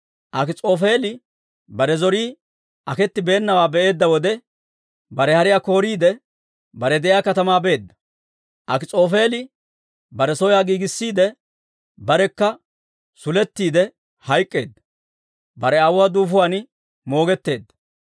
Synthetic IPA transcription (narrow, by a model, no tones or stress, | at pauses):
ʔɐkɪt͡sʼo̞ːfe̞ːlɪ | bɐɾɛzɔɾiː | ʔɐkɛt̪ːɪbe̞ːnːɐwaːbɛʔe̞ːd̪ːɐwɔd̪ɛ | bɐɾɛhɐɾɪjako̞ːɾiːd̪ɛ | bɐɾɛd̪ɛʔjaːkɐt̪ɐmaːbe̞ːd̪ːɐ̥ | ʔɐkɪt͡sʼo̞ːfe̞ːlɪ | bɐɾɛsɔjaːɡiːɡɪsːiːd̪ɛ | bɐɾɛkːɐ | sʊlɛt̪ːiːd̪ɛ | hɐjkʼːe̞ːd̪ːɐ̥ | bɐɾɛawʊwaːd̪uːfʊwaːn | mo̞ːɡɛt̪ːe̞ːd̪ːɐ̥